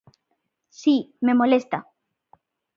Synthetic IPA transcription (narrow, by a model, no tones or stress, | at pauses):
sime̞mo̞lest̪a